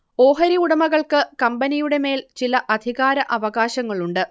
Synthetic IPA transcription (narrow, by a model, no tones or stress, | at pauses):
o̞ːɦɐɾiuɽɐmɐɣɐɭkɨkɐmbɐnijuɽe̞me̞ːlt͡ɕilɐʔɐd̪ʱiɣaːɾɐʔɐʋɐɣaːɕɐŋːɐɭuɳɖɨ